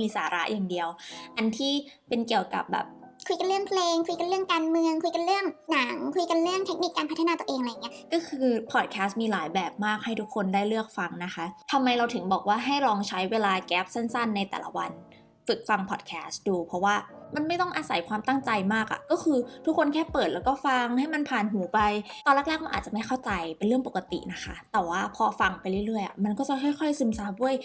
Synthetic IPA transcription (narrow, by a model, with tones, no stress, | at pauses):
miː˧saː˩˦ɾa˦˥ʔjʔaː˨˩ŋdi˧əwʔa˧nt̪ʰiː˥˩pe˧nki˨˩əwka̰˨˩p̚bɛ̰ː˨˩p̚kʰu˧jka˧nɾɯ˥˩əŋpʰleː˧ŋkʰu˧jka˧nɾɯ˥˩əŋkaː˧nmɯ˧əŋkʰu˧jka˧nlɾɯ˥˩əŋna˩˦ŋkʰu˧jka˧nɾɯ˥˩əŋt̪ʰe˦˥k̚ni˨˩kːaː˧npʰa˦˥t̪ʰnː˧t̪u˧ʔeː˧ŋa˧jŋi˦˥ɐkɔː˥˩kʰɯː˧pʰɔ˨˩t̪̚kʰɛː˦˥st̪̚miː˧laː˩˦jbɛː˨˩p̚maː˥˩k̚ha˥˩jt̪ʰu˦˥kʰːo˧ndaː˥˩jlɯ˥˩ək̚fa˧ŋna˦˥xʰa˦˥t̪ʰa˧mːa˧jɾa˧wt̪ʰɯ˩˦ŋbɔː˨˩k̚waː˥˩ɦa˥˩jɾɔː˧ŋt͡ɕʰa˦˥jweː˧laː˧kɛː˦˥p̚sa˥˩nsa˥˩nːa˧jt̪ɛ̰ː˨˩la̰˦˥wa˧n | fɯ˨˩k̚fa˧ŋpʰɔː˨˩t̚kʰɛː˦˥st̪duː˧pʰɾɔ˦˥waː˥˩ma˧nma˥˩jt̪ɔ˥˩ŋʔaː˧sa˩˦jkʰwaː˧mt̪a˥˩ŋt͡ɕa˧jmaː˥˩k̚ʔa̰˨˩kɔː˥˩kʰɯː˧t̪ʰu˦˥kʰːo˧nkʰɛː˥˩pɤː˨˩t̪̚lɛː˦˥wkɔː˥˩fa˧ŋha˥˩jma˧npʰaː˨˩nɦuː˩˦pa˧jk̪ɔː˧la˥˩lɛː˥˩k̚ma˧nʔːt̚t͡ɕa˨˩ma˥˩jxʰa˥˩wt͡ɕa˧jpe˧nɾɯ˥˩əŋpo˨˩ka˧t̪ḭ˨˩na˦˥kʰa˦˥t̪ɛː˨˩waː˥˩pʰɔː˧fa˧ŋpa˧jɾɯ˥˩jɾɯ˥˩əjʔa̰˨˩ma˧nkɔː˥˩t͡ɕa˨˩xʰɔ˥˩jxʰɔ˥˩jsɯ˧˦msaː˧˩u˥˩əj